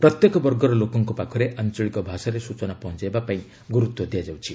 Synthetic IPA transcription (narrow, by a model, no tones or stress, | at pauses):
pɾɔt̪jekɔbɔɾɡɔɾɔlokɔŋkɔpakʰɔɾeʔant͡ʃɔɭikɔbʱasaɾesut͡ʃɔnapɔɦɔ̃t͡ʃaebapaĩ | ɡuɾut̪wɔd̪ijad͡ʒawt͡ʃʰi